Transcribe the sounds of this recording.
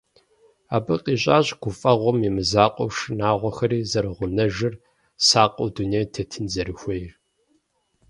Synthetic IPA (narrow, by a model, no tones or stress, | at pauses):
aːbɨqʼiːɕʼaːɕɡ̥ʷʊfʼɐʁʷɔmimɨzaːqʷʼɔ̰wʂɨnaːʁʷɔxɐɾiːzɐɾɨʁʷʊnɐʒɨr | saːqʼɐwduneːjtʰetʰɨnzɐɾɨxʷejr